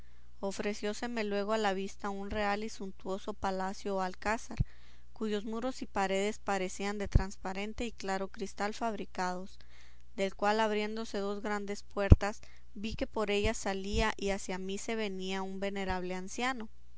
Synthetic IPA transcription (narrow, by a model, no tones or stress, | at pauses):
o̞fɾe̞sjo̞se̞me̞lwe̞ɣ̞o̞alaβ̞ist̪aunre̞alisunt̪uo̞so̞palasjo̞alkasaɾ | kuʝo̞zmuɾo̞sipaɾe̞ðe̞spaɾe̞siand̪e̞t̪ɾanspaɾe̞nt̪e̞iklaɾo̞kɾist̪alfaβɾikaðo̞s | d̪e̞lkwalaβɾje̞nd̪o̞se̞ðo̞zɣɾand̪e̞spwe̞ɾt̪as | bike̞po̞ɾe̞ʝasaliaʔiasjamise̞βe̞niaumbe̞ne̞ɾaβ̞le̞ansjano̞